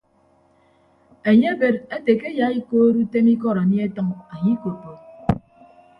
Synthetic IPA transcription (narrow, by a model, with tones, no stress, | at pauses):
e˨ɲe˦be˨ɾe˦te˨ke˦ja˨˦i˦koː˦ɾu˦te˦ni˦kɔ˦˨ɾa˨ni˦e˦tʌ˦ŋa˨ɲi˦ko˨po˨